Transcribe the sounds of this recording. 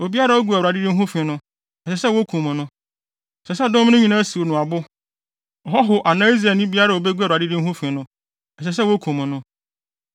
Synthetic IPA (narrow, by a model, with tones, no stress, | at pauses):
o˨bi˦a˦ɾa˨˦ɔ˦ɡu˨a˨a˨dɪ˦dɪ˦ɦʊ̃˦fɪ̃˨nʊ̃˦ | ɛ˨ɕɛ˨sɛ˦wo˦kʰũ˨mʊ̃˨nʊ̃˦ | ɛ˨sɛ˨sɛ˦˨dʊ̃˦m˦nʊ̃˦ɲĩ˨nã˦si˨wo˨nʊ̃˨a˨bʊ˦ | ɔ˨ɦɔ˦ɦʊ˨ʔa˨nã˦i˦zɾa˨nĩ˦bi˦a˦ɾa˨o˨be˦ɡu˦a˨ɾa˨dɪ˦dɪ̃˦n̩˦ɦʊ̃˦fɪ̃˨nʊ̃˦ | ɛ˨ɕ̬ɛ˨s̬ɛ˦wo˦kʰũ˨mʊ̃˨nʊ̃˦